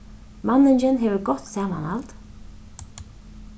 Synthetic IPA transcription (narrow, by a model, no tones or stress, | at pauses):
manːɪnt͡ʃɪnɦɛːvəɾɡɔt̪saːma̰nha̰lt̪